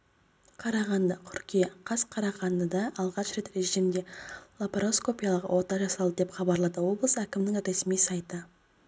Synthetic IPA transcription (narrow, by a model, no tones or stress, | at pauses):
qʰɑɾɑʁɑnd̪əkʲʰʏɾkʲijeqʰɑsqʰɑɾɑʁɑnd̪əd̪ɑʔɑlˠʁɑʃɾe̞t̪ɾe̞ʒimd̪e̞lˠapɾo̞sko̞pʲijɑlˠəqwʔo̞t̪ɑʒɑsɑlˠd̪əd̪e̞pχɑbɑɾlˠɑd̪əwo̞blˠəsəækʲɪmnɪŋɾe̞smijsɑjt̪ə